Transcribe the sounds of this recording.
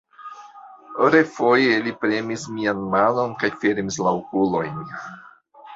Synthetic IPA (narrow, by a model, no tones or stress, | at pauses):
oɾefo̞jelipɾe̞mismianmano̞nkajfe̞ɾmislaokulo̞jn